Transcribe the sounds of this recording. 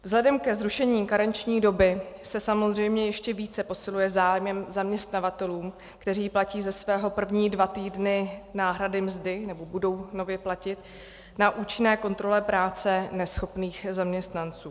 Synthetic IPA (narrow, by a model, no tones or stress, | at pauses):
vzlɛdɛmkɛzɾuʃɛɲiːkaɾɛnt͡ʃɲiːdo̞bɪsɛsamozr̝ɛjmɲɛjɛʃcɛviːt͡sɛpo̞sɪlujɛzaːjmɛmzamɲɛst̪navat̪ɛluːm | kt̪ɛr̝iːplaciːzɛsvɛːɦo̞pr̩vɲiːdvat̪iːdnɪnaːɦɾadɪmzdɪnɛbo̞budo̞wno̞vjɛplacɪt̪ | naʔuːt͡ʃɪnɛːko̞nt̪ɾo̞lɛpɾaːt͡sɛnɛsxo̞pniːxzamɲɛst̪nant͡suː